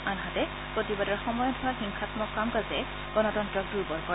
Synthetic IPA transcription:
anɦatɛ | pɹotibadɔɹxɔmɔjɔdʰʱʊaɹxiŋxʰatmɔkːamkazɛ | ɡ̥ɔnɔtɔntɹɔk̚duɹbɔɹkɔ

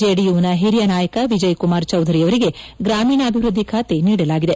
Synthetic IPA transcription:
eɽijuʋnɐɦiɾijɐnaːjɐkɐʋid͡ʒɐjkumaːɾt͡ʃɐwd̪ʱɐɾiɐʋɐɾiɡe̞ɡɾaːmiːnɐːbʱiʋɾud̪ʱːikʰaːt̪eniːɽɐlaːɡid̪e̞

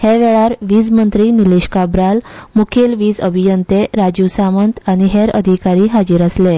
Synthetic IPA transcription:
heʋɛɭaɾʋid͡zmənt̪ɾiːniliɕkabɾalmukʰelʋiːd͡zəbʱijənt̪eɾad͡ʑusamənt̪aɽ̃iɦeɾə̰d̪ʱikaɾiːɦad͡ʑiːɾəsle

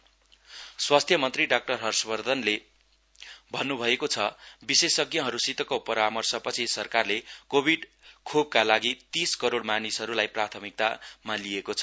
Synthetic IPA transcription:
swast̪ʰjʌmʌnt̪riɖak̚ʈʌrɦʌrspʌrd̪ʱʌnle | bʱʌnːubʱʌekot͡sʰʌbisesʌɡjʌɦʌɾusit̪ʌkopʌɾamʌrsʌpʌt͡sʰisʌrkarlekobʱiɖkʰob̚kalaɡit̪iskʌɾoɽmanisɦʌɾulajprat̪ʰʌmik̚t̪amaliekot͡sʰʌ̥

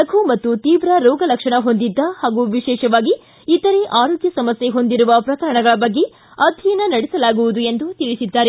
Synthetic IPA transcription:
ɐɡʱumɐt̪ːut̪iːʋɾɐɾɔːɡɐlɐkʂɐɳɐɦo̞nd̪id̪ːɐhaːɡuʋiʃɛːʃɐʋaːɡiː | t̪ɐɾeʔaːɾoːɡjɐsɐmɐsje̞ɦo̞nd̪iɾuʋɐpɾɐkɐɾɐɳɐɡɐɭɐbɐɡːe̞ | ɐd̪ʱinɐnɐɽɛsɐlaːɡuʋud̪ue̞nd̪ut̪iɭisid̪ːaːɾe

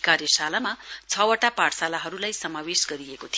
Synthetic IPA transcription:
karjʌsalamat͡sʰʌwʌʈapaɽsalaɦʌɾulajsʌmawesɡʌɾijekot̪ʰi

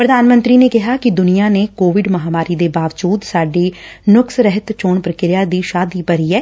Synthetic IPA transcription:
pɾəd̪aːnmə̃nt̪ɾiːneːkɪɦaːkɪd̪ʊnijaːneːkoːʋɪɖməɦaːmaːɾiːd̪eːbaːʋd͡ʒuːd̪saːɖiːnʊksɾɛɦət̪t͡ʃoːɳpɾəkɪɾɪjaːd̪iːʃaːd̪iːpəɾiːɦɛː

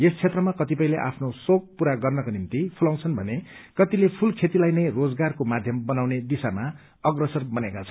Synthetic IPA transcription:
est͡sʰet̪rʌmakʌt̪ipʌĩleʔa̰pʰnosok̚puɾaɡʌrnʌkonimt̪ipʰulãw̃t͡sʰʌnbʱʌnekʌt̪ilepʰulkʰet̪ilajnʌjrod͡zɡarkomad̪ʱjʌmbʌnawned̪isama | ʌɡrʌsʌrbʌnekat͡sʰʌ̥n

